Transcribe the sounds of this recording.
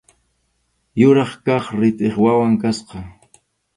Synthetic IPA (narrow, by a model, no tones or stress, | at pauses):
jʊɾɑχkɑχɾɪt̪eχwawaŋkasqɑ